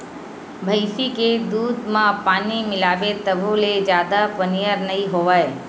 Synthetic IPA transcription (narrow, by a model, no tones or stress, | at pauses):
bʱəjsiked̪uːd̪mãpaːnimɪlaʋet̪əbʱoled͡ʒjaːd̪apənijəɾnəɦiɦoʋae